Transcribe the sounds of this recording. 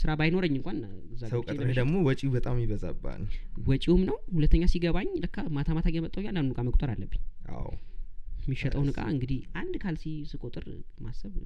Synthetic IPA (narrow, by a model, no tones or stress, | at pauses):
sɨɾabajno̞ɾəɲːɨŋkʷanɨzːaəwkʼəmd̪əɡmowɔt͡ʃʼiubət̪ʼamjiβəza̰bːa̰nwɔt͡ʃʼiwumnəwhulət̪ʰːəɲːasiɡəβaɲd̪əkːamat̪ʰamat̪ʰaɡjɛmət̪ʼːawjandandukʼaməkʼt̪ʼəɾalːəbːɨɲːʔa̰w | mːiʃːɛt̪ʼəwnɨkʼa̰ɨŋɡɨd̪ihʔand̪kʰalsisɨkʼot̪ʼɨɾmasːəβ